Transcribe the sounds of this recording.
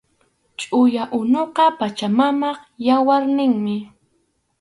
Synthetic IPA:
t͡ʃʼʊjaʔʊnoqɑpat͡ʃamamɑχjawaɾnɪŋmɪ

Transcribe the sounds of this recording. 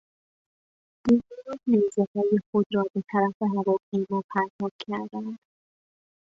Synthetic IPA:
d̪̥uziɾɒhnejzehɒːjexod̪ɾɒːbe̞t̪ʰæɾæfe̞ɦævɒːpʰejmɒːpʰæɾt̪ʰɒːb̥cʰæɾd̪ænd̪̥

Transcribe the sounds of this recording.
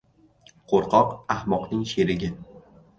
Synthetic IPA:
qʰoɾqʰɒqahmɒqnɪŋʃeɾɪɡʲɪ

